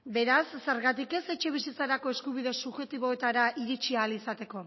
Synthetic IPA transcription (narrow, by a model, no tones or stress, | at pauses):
be̞ɾasːeɾɣat̪ike̞se̞t͡ʃe̞β̞isit͡saɾako̞e̞skuβiðe̞suʝe̞t̪iβ̞o̞e̞t̪aɾaʔiɾit͡ʃialisat̪e̞ko̞